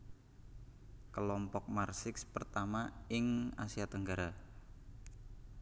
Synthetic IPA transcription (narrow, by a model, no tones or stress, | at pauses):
kəlɔmpɔk̚marsɪkspərt̪amaɪŋasiat̪əŋɡaɾa